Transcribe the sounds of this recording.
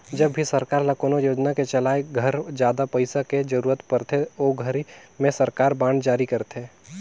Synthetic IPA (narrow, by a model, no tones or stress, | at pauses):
d͡ʒɐbːʱisɐɾkaːɾlakoːnojoːd͡ʒnaket͡ʃɐlaːeɡʱɐɾd͡ʒjaːd̪apɐɪsaked͡ʒəɾuːɾət̪pəɾt̪ʰeoːɡʱəɾimẽsɐɾkaːɾbãːɳɖd͡ʒaːɾikɐɾt̪eː